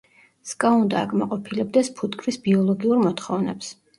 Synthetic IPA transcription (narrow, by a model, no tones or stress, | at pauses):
skʼaund̪aakʼmaqʼɔpʰilɛb̚d̪ɛspʰut̪kʼʰɾisbiɔlˠɔɡiuɾmɔt̪χɔvnɛ̰ps